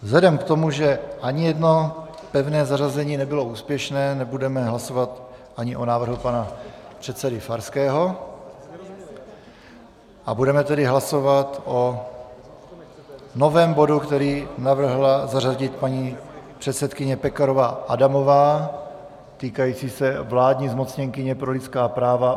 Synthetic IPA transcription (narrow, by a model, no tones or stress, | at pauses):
vzlɛdɛmkt̪o̞muʒɛʔaɲɪjɛdno̞ | pɛvnɛːzarazɛɲiːnɛbɪlo̞uːspjɛʃnɛːnɛbudɛmɛɦlaso̞vat̪ʔaɲɪʔonaːvr̩ɦupanapr̥ɛt̪sɛdɪfaɾskɛːɦo̞ | ʔabudɛmɛt̪ɛdɪɦlasovat̪ʔo̞ | no̞vɛːmbo̞dukt̪ɛɾiːnavr̩ɦlazaraɟɪt̪̚paɲiːpr̝̥ɛt̪sɛt̪kɪɲɛpɛkaɾovaʔadamo̞vaː | t̪iːkajiːt͡siːsɛvlaːdɲizmo̞t͡sɲɛŋkɪɲɛpɾo̞lɪt̪t͡skaːpɾaːva